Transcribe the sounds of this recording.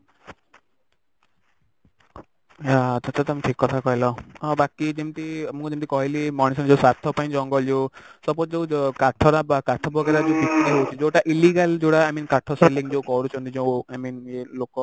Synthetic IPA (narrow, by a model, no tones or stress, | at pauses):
ɦat͡ʃʰɔt͡ʃʰat̪ɔmiʈʰikːɔt̪ʰakɔɦilɔbakid͡ʒemt̪imũkd͡ʒemt̪ikɔɦilimɔnisɔnd͡ʒewsat̪ʰɔpaĩd͡ʒɔŋɡɔld͡ʒowsɔbɔt̪d͡ʒewkaʈʰɔɾabakaʈʰɔbɔɡaɾad͡ʒeubikaɦewt͡ʃʰid͡ʒewʈaʔiliɡald͡ʒoɽaajminkaʈʰɔseliŋd͡ʒewkɔɾut͡ʃʰɔnt̪id͡ʒewajminelokɔ